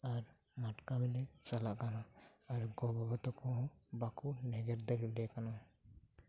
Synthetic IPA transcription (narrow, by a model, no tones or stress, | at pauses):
aɾ | maʈkamilɛt͡ʃalaʔkanaaɾɡɔbabat̪ɔkɔɦɔ̃ | bakunɛɡɛɾd̪əɾibɖɛkana